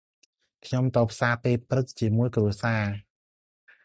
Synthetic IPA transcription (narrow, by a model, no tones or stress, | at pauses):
kʰɲomt̪ɔːpʰsaːpeːlprɨt̪̚t͡ɕiəmuəjkruəsaː